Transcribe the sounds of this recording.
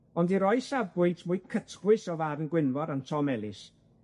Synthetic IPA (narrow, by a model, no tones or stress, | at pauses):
ɔndiɾɔɨsabʊtʰmʊɨkʰətʰɡwɨsɔvaɾənɡwɪnvɔɾantʰɔmɛlˠɪs